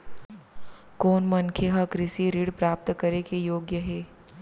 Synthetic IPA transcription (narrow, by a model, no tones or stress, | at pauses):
koːnmɐnkʰeɦɐkɾɪsiɾiːɽpɾaːp̚t̪kɐɾekejoːɡjəɦɛː